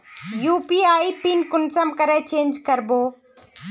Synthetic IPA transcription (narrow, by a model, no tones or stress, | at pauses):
juːpiːaːipiːnkʊnsəmkɐɾet͡ɕẽːnd͡ʑkɐɾboː